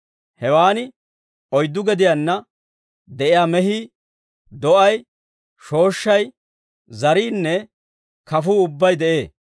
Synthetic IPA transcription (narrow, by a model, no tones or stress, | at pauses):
hɛwaːnɪ | ɔjd̪ːʊɡɛd̪ɪjaːnːɐ | d̪ɛʔɪjaːmɛɦiː | d̪ɔʔɐj | ʃo̞ːʃːɐj | zɐɾiːnːɛ | kɐfuːʊbːɐjd̪ɛʔe̞ː